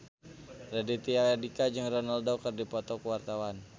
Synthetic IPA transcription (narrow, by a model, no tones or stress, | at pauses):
radit̪iaadikad͡ʒɨŋrɔnaldaukərdipɔt̪ɔkuwart̪awan